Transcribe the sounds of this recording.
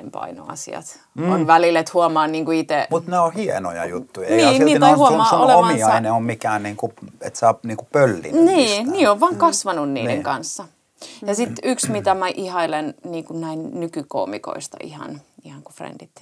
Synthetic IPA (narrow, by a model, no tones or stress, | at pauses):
empɑ̰ino̰ɑ̰sḭɑ̰t̪ | onʋælilet̪huɑmɑːnniːŋkuit̪emut̪neohiḛno̰jɑ̰jut̪ːujɑniːniːnohuomɑoleomɑmiɑineommikæːnniːŋkuḛt̪sɑːniːŋkupølːḭniːniːoʋʋɑːŋkɑsʋɑnunnḭːdeŋkɑnsːɑ | jɑsit̪yksmit̪æmæʔihɑilenniːŋkunnæinnykyko̰ːmḭko̰ist̪ɑ̰ʔḭhɑ̰nihɑŋkufrḛnd̥it̪